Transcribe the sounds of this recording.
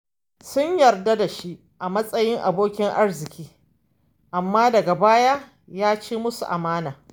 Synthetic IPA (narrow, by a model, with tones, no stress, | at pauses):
sʊ˦ɲjɐ˨rda˦da˨ʃi˦ | ʔa˨mɐ˦sʼɐ˦jɪ˦ŋʔa̰˨boː˦kʲɪ˦ŋʔa˦ɽzɪ˨kʲiː˦ | ʔa˨mːaː˦dɐ˨ɡa˨baː˦ja˦ | jaː˦t͡ʃeː˦mʊ˦su˨ʔa̰˨maː˦naː˨